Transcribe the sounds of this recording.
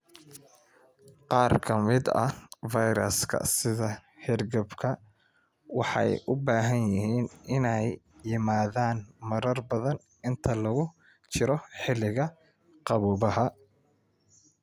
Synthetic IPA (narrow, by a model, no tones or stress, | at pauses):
qɑːrkʰɐmɪd̪ɐ̰vɑjɾɐ̰skʰɐ̰sɪðɐhɛrɡɐbkʰɐ | wɑħɑ̰jʔʊbaːɦɐnjɪɦiːnʔɪnɛjːɪmaːðaːnmɐɾɐrbɐðɐn | ɪnt̪ʰɐlɐɣʊ | t͡ʃʰɪɾɔħɪlɪɣɐ | qɑβuːβɐɦɐ